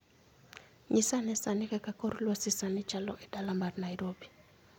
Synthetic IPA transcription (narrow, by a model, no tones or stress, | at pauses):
ɲisanɛsanɪkakakɔɾlwasisanɪt͡ʃalɔʔɛdalambarnaiɾobi